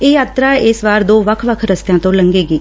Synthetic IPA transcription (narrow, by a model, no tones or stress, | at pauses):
eːjaːt̪ɾaːɪsʋaːɾd̪oːʋəkʰʋəkʰɾəst̪jãːt̪õːləŋɡeːɡiː